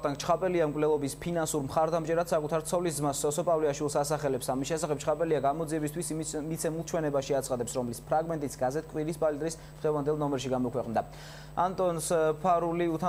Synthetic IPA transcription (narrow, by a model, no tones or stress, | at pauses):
t̪aŋkt͡ʃʰχapʼɛliamkʼvlɛlˠɔbispʰinansuɾmχaɾd̪amt͡ʃʼɛɾad̪̥sakʼut̪ʰaɾt̪sʰɔlis̬zmasːɔsɔpʼavliaʃwilˠsasaχɛlɛpsamisʃɛsaχɛb̚t͡ʃʰχapʼɛliaɡamɔd̪ziɛbist̪ʰwismit̪sʰɛmulˠt͡ʃʰwɛnɛbaʃiat̪sχad̪ɛpsɾɔmlispʰɾaɡmɛnt̪ʼisɡazɛt̪ʰkʼwiɾispʼalid̪ɾis | d̪̥ʁɛvand̪ɛlˠnɔmɛɾʃiɡamɔkʰwɛqʼnd̪a | ant̪ʼɔnspʰaɾuliut̪ʰa